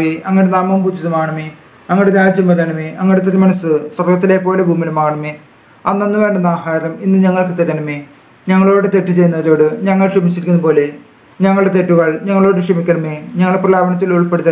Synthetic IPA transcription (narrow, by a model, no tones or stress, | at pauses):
iɐŋːɐneenaːmɐmpuːt͡ɕːɐðumaːɣɐɳɐmi | ɐŋːɐɭɽeɾaːd͡ʑjɐmːɐɾɐːnɐmiɐŋːɽet̪̬ɐɾɐmɐnɐsɨsɐrɡɐt̪ːile̞ːpːo̞ːlebʱuːmilumaːɣɐɳɐmi | ɐnːɐnːɨʋe̞ːɳɖɐnaːhaːɾɐminːɨɲɐŋːɐɭkɨt̪ɐɾɐnɐmi | ɲɐŋːɐɭo̞ːɽet̪eʈːut͡ɕe̞junːɐɐðo̞ːɽɨɲɐŋːɐɭʂɐmit͡ɕːiɾikʲːunːupo̞ːle | ɲɐŋːɐɭɽe̞t̪e̞ʈːuɣɐɭɲɐŋːɐɭo̞ːɽeʂɐmikʲːɐɳɐmiɲɐŋːɐɭeprɐlaːbɐnɐt̪̬ːiluɭpeɽut̪ːɐ